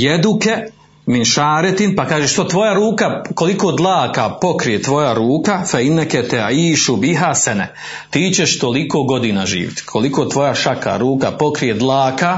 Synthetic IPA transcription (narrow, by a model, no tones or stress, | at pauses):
jed̪uke | minʃaːɾet̪inpakaːʒeʃt̪o̞t̪ʋo̞jaɾuːkako̞likoːd̪lˠaːkapo̞kɾije̞t̪ʋo̞jaɾuːkafainːɛket̪ɛʕiːʃubiɦasɛnɛ̰ | t̪iːt͡ɕeʃt̪o̞liko̞ːɡo̞d̪iːnaʒḭːʋit̪i̥kʰo̞likoːt̪ʋo̞jaʃaka̰ɾuːkapo̞kɾije̞d̪lˠaːka